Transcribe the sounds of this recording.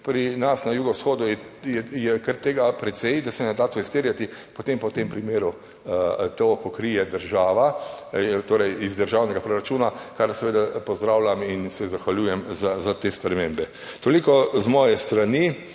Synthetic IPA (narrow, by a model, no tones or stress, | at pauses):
pɾinasnajuːɡɔwsxoːd̪ujɛjɛjɛkəɾt̪eːɡapɾɛt̪sɛjd̪asɛnɛd̪at̪oist̪eːɾjat̪ipɔt̪empɐwt̪empɾimeːɾu | t̪opɔkɾijɛd̪əɾʒaːʋa | t̪oːɾɛjizd̪əɾʒawnɛɡapɾoɾat͡ʃuːnakaɾsɛʋeːd̪apɔzd̪ɾawlʲaminsɛzaxʋaljuːjɛmzazat̪espɾɛmẽmbɛ | t̪olikɔzmɔːjɛst̪ɾani